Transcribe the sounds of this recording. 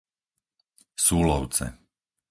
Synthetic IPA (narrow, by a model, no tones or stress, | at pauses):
suːlɔʊt͡sɛ̰